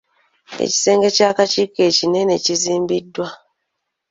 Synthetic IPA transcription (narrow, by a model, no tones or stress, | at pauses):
ḛci̥se̞ːŋɡecakat͡ʃikecine̞ne̞ciziːmbidːwa